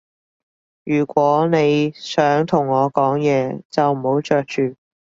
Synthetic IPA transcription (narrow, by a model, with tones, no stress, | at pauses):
jyː˨˩kʷɔː˨˥ne˨˧jsœː˨˥ŋt̪ʰʊ˨˩ŋːɔː˨˧kɔː˨˥ŋjɛː˨˧t͡sɐ˨wm̩˨˩ho˨˥wt͡ʃœː˨˧k̚t͡ʃyː˨